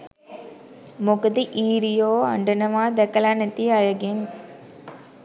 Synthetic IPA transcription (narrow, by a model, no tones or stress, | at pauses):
mʊkɐt̪iʔiːɾijoːɐ̰ɳɖɐnɐʋaːd̪ɐkɐlaːnɐt̪ːiɐɻɐɡɪm